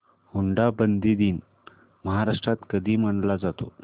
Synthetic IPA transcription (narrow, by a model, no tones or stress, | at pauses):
huɳɖabənd̪iːd̪iːn | məɦaɾaʂʈɾat̪kəd̪ʱiːm̤əɳlad͡zat̪o